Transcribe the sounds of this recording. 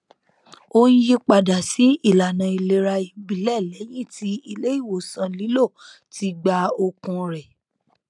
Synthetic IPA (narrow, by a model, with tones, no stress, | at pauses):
o˦ñ̩˦ji˦k͡pa˧da˨si˨˦i˦˨la˨nã˨i˧le˧ɾa˧i˧bi˨lɛ˦˨lɛ˨˦j̃ĩ˦˨ti˧˦i˧le˦i˦˨wo˨sã˧li˨˦lo˦˨ | ti˧ɡ͡ba˧o˧kũ˧ɾɛ˨